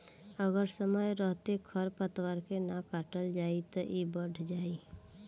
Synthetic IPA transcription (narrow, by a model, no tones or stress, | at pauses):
əɡəɾsəməjɾəɦt̪ekʰəɾpət̪waɾkenakaːʈəld͡ʒaːit̪ɔʔibəɽʱʰd͡ʒaːi